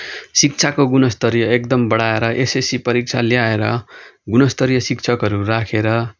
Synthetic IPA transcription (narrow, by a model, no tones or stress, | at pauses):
sik̚t͡sʰakoɡunʌst̪ʌɾjʌekd̪ʌmbʌɽaeɾʌʔesesipʌɾik̚t͡sʰaljaeɾʌ̰ɡunʌst̪ʌɾjʌsikt͡sʰʌkɦʌɾuɾakʰeɾʌ